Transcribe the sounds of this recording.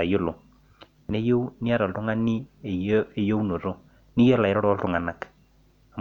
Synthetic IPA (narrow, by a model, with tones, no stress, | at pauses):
a˨jo˦lo˨ | ne˦jo˦u˦ni˦a˦ɾɔ˨ltʊ˦ŋa˦ni˦˨˦ | e˨jo˦u˦no˨ɾo˦ | ni˦jɔ˦la˨e˨ɾɔ˦ɾltʊ˨ŋa˨na˨k | a˨